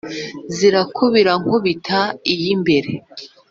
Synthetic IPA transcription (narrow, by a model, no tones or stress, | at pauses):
ziɾakʰoβiɾaŋ̥hoβitʰaijimbe̞ɾe̞